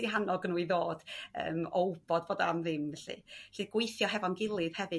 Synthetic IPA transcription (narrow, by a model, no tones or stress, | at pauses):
diɦanɔɡənuːiðoːd̥ə̰ːmowbɔdboːdɔamðɪmɛɬɨ̰ɬɨːd̚ɡ̥wejθjɔɦɛvɔnɡɪlˠɨð̥hɛvɨ